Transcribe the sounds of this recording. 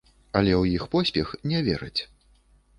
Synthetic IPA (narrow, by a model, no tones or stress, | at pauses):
ɐlʲɛwjixpɔsʲpʲɛxnʲɛvʲɛɾɨt͡sʲ